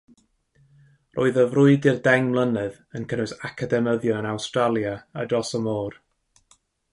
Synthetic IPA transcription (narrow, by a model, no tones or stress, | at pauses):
rʔo̰ɨðəvrʊɨdɪrdɛŋmlˠənɨð | ənkʰənʊsakʰadɛməðjɔənawstralˠjaːdrɔsəmoːr